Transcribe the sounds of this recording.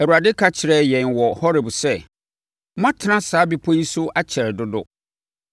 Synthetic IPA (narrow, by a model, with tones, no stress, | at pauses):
æ˨u˨ɾa˨dɪ˦kʰa˦t͡ɕʰɪ˨ɾɛ˨jɛ̃˨nwɔ˨hɔ˦ɾɪ˨bsɛ˦ | mã˦tʰɪ˨nã˦saː˨˦bi˦pʰɔ˦ji˦sʊ˦ʔa˦t͡ɕʰɛ˨ɾɛ˨dʊ˦dʊ̰˦